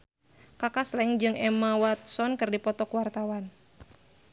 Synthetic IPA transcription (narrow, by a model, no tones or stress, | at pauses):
kakaslɛŋd͡ʒɨŋɛmawat̪̚sɔnkɨrdipɔt̪ɔkwart̪awan